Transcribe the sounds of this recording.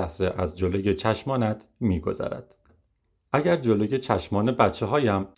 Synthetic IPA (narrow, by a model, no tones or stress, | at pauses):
æhseʔæzd͡ʒolojet͡ʃʰæʃmɒːnæd̪̥miːɡo̞̰zæ̰ɾæ̰d̪̥ | ʔæɟæɾd͡ʒoloje̞t͡ʃʰæʃmɒːnebæt̪t͡ʃʰːe̞ɦɒːjæm